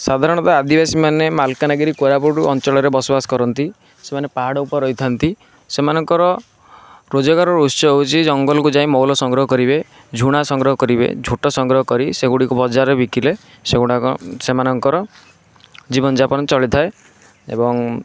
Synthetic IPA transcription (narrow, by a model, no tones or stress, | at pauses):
sad̪ʱaɾɔɽ̃ɔt̪ɔad̪ibasimanemalkanaɡiɾikoɾapuɾuʔɔnt͡ʃɔɭɔɾebɔsɔbasɔ̥kɔɾɔnt̪i | semanepaɦaɽɔupɔɾɔjt̪ʰant̪i | semanɔŋkɔɾɔ | ɾod͡ʒɔɡaɾɔɾusɔeut͡ʃʰid͡ʒɔŋɡɔlɔkud͡ʒaĩmɔwlɔsɔŋɡɾɔɦɔkɔɾibe | d͡ʒʱuɽ̃asɔŋɡɾɔɦɔkɔɾibḛd͡ʒʱuʈɔsɔŋɡɾɔɦɔkɔɾiseɡuɽikubɔd͡ʒaɾebikile | seɡuɽasemanɔŋkɔɾɔ | d͡ʒibɔnd͡ʒapɔnt͡ʃɔɭit̪ʰae | ḛbɔŋ